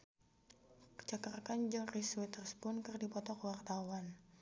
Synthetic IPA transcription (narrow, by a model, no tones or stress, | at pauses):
kə̥t͡ʃakarkand͡ʒəŋriswit̪ərspʊnkɨrdipɔt̪ɔkəwart̪awan